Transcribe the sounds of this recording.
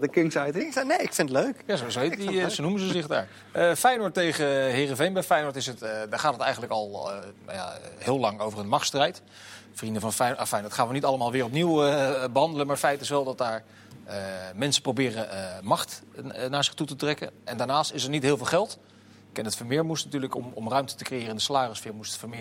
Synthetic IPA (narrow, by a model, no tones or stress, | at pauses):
əkɪŋsajtnejɪkfɪnətløɥkjazozoɦetdisonuməzəzɪχda̰ːɹ | əfɛjnɔɹtːejχəɦɪːrəvejnbɛjfɛjnɔɹtɪsətdaːɹχaːtətɛ̰jχənləkɑl̰ˠja̰hɪːlɑŋowvərənmɑχtstrɛjt | frindəvɑnfɛjafɛjntχaːnʋənitɑlˠəmaːlˠʋɪːɹrɔp̬niwəbəɦɑndələnmaːɹətfɛjtɪsʋɛlˠdɑt̚daːɹ | əmɛnsə̥prowbɪːrəmɑχtnaːɹzɪχtutətrɛkə̰nɛndaːɹnaːstɪsɛɹnitɦɪːlˠvɪːlˠχɛlˠt | kɛnətfəmɪːɹmustnatyːɹləkɔ̰mɔ̰mrœɥmtətəkrejɪːrəɪndəsalaːrəsfɪːɹmustfəmɪ